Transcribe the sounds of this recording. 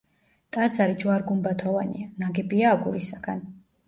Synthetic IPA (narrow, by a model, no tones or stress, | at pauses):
t̪ʼad̪zaɾid͡ʒwaɾɡumbat̪ʰɔvanḭanaɡɛbiaːɡṵɾisaɡ̥an